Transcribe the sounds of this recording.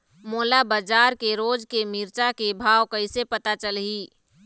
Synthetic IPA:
moːlabəd͡ʒaːɾkeɾoːd͡ʒkemiːɾt͡ʃakebʱaːwkəɪsepət̪at͡ʃəlɦiː

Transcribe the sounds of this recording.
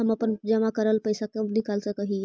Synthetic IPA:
ɦəməpənd͡ʒəmakəɾəlpəjsakenikalsəkəɦie

